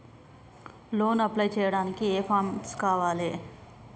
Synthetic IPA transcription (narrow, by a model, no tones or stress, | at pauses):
lo̞ːnɐplɐjt͡ʃɛːjɐɽaːnikieːpʰaːmskaːʋaːle